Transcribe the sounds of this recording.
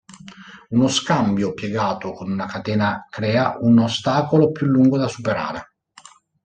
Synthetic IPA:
unoskambjopjeɡaːt̪okonunakat̪ɛːnakɾɛːaunost̪aːkolopjulːuŋɡod̪asupeɾa̰ːɾe

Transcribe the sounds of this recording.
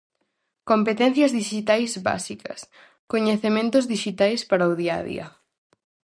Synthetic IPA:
kompet̪ɛ̃n̟θjɐzðiʃit̪ajzβa̰sikɐ̰s | koɲeθemẽnt̪ʊzðiʃit̪ajspaɾaʊðia̰ðḭɐ̰

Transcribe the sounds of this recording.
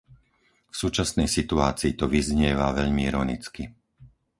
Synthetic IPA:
fsuːt͡ʃasnɛjsit̪uaːt͡siːt̪ɔʋizɲɪɛʋaʋɛʎmiiɾɔnit͡ski

